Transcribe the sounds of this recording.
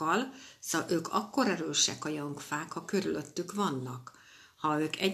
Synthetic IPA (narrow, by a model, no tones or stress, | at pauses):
ɒlsoʔøːkʰɒ̰kːo̞ɾɛɾøːʃɛ̰kɒjɒŋkfaːkhɒkø̞ɾylø̞t̪ːykʋɒnːɒk | hɒøːkʰɛ